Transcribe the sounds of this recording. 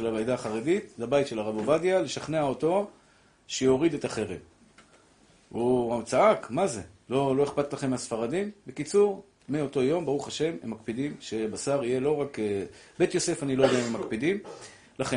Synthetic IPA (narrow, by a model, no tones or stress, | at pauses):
ʃelabajdaːχaʁe̞ditlabajtʃe̞laʁabovadjale̞ʃaχne̞ao̞to̞ | ʃejo̞ʁid̪e̞taχeʁem | uat͡saakmaze̞lo̞lo̞eχpat̪laχe̞mːasfaʁadimbe̞kit͡suʁ | meo̞to̞jo̞mbaʁuχaʃe̞memːak̚pid̪imʃeabasaʁije̞lo̞ʁakebe̞t̪jo̞se̞fanilojod̪ememakpidim | laχe